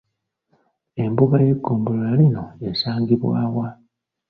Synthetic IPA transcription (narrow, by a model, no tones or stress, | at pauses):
e̞mbuβaje̞ɡːoːmbololalino̞e̞saːŋɡiβwa̰ːwa